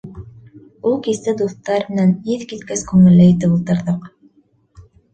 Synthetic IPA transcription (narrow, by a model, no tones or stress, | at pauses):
ulˠkisɘd̪uθt̪ːɑɾmɘ̆næniðkit̪kæskʉŋɘ̆lːæjit̪ɘpulˠt̪ɤ̆ɾðɤq